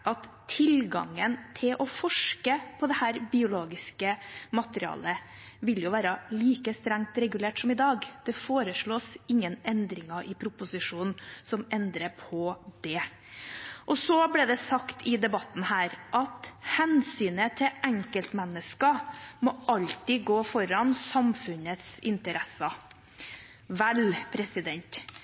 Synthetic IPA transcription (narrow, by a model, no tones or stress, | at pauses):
ʔɑt̪ʰːɪlɡɑ̰ŋənt̪ʰɪlʔɔfɔʂkəpʰɔd̪ɛhæːɾbɪʊloːɡɪskəmɑt̪əɾɪɑ̰ːlə | ʋɪljʊʋæːɾəliːkəst̪ɾæŋt̪ɾɛɡʉleːʈsɔmɪd̪ɑːɡd̪̥ɛfoːɾəʂɭoːsɪŋːənɛnd̪ɾɪŋɑʔɪpʰɾʊpʊsɪʂuːnn̩sɔmɛnd̪ɾəpʰɔd̪̥ɛ | ʔɔsɔblɛːd̪ɛsɑkt̪ʰɪd̪ɛbɑt̪n̩hæːɾʔɑt̪hɛnsyːnət̪ʰɪʔæŋkəlt̪mɛnːəskɑmɔʔɑlt̪ɪɡoːfɔɾɑnsɑmfʉnət̪sɪ̰nt̪əɾɛsɑ | ʋɛlpʰɾɛsɪd̪ɛnt̪